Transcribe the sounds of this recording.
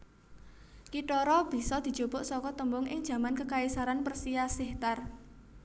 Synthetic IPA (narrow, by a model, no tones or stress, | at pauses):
kiʈɔɾɔb̥i̤sɔd̪̥i̤̥d͡ʒ̥obʊʔsɔkɔt̪əmbʊŋɪŋ̥d͡ʒ̥ä̤mankəkaisaɾanpərsijasɪht̪ar